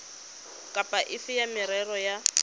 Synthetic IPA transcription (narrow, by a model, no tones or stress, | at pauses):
kʼapʼaʔɪfɪjamɪɾɛrɔja